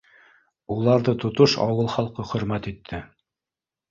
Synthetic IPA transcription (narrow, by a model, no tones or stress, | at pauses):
ulˠɑɾðɤt̪ŏt̪oʃɑ̰wɤlˠχɑlˠqɤχɵ̆ɾmæt̪it̪ʰːɘ